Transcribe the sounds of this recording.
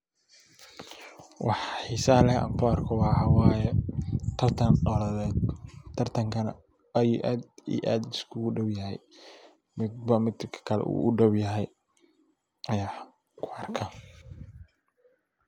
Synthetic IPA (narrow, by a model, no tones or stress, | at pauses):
wɑħħiːsɐlɛhɐ̰ŋkʰʊɑrkʰɔwɑːɑwɑːjɛɐrt̪ʰɐnɔlɐðɛːd̪̚t̪ʰːɐrt̪ʰɐŋkʰɐnɐ̰ | ɐjṵːʔaːd̪ḭːʔaːd̪ɪskʰʊʊɖɐwjɐɦɛ̰j | mɪd̪bɐmɪd̪kʰɐ̥kʰɐlɛ̰ṵːʊɖɐwjɐɦɛj | ʔɐjaː | kʰʊɐrkʰɐ